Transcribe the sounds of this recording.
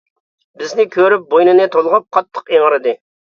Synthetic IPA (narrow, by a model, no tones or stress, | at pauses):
bɪznɪkʲʰøɾyp̚bojnɨnɨt̪ʰolˠʁʊp̚qʰɑt̪ʰːə̥qeŋɾɨd̪ɨ